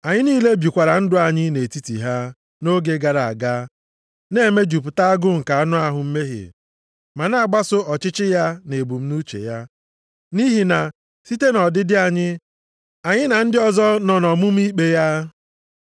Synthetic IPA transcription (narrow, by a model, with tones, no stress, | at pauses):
a˨ɲɪ˦niː˦le˦bji˨kʷa˨ɾa˨n̩˦dʊ˦a˨ɲɪ˦ne˨ti˦tḭ˨ɦa˦ | no˦ɡe˦ɡa˨ɾa˨a˨ɡa˦ | ne˦˨me˦d͡ʒu˨p̬ʊ˨ta˦a˦ɡʊ˦m̩˨ka˨a˦nʊ˦a˦ɦʊ˨m̩˦me˦ɦḭ˨ | ma˨na˦a˨ɡ͡ba˦sʊ˦ɔ˨t͡ʃɪ˦t͡ʃɪ˦ja˦ne˨bu˨m̩˦nu˦t͡ʃḛ˨ja˦ | ni˦ɦi˨na˨ | si˦te˦nɔ˨dɪ˦dɪ˦a˨ɲɪ˦ | a˨ɲɪ˦na˨n̩˦dɪ˦ɔ˦˨zɔ˦nɔ˨nɔ˨mʊ˦m̩˦i˦k͡pe˦ja˦